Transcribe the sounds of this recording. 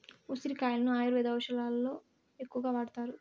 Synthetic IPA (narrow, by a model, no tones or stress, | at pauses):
usiɾikaːjlɐnuaːjɐɾʋɛːd̪ɐʋɐʃɐlaːlːo̞ː | ekːuʋɐɡaːʋaːɽɐt̪aːɾu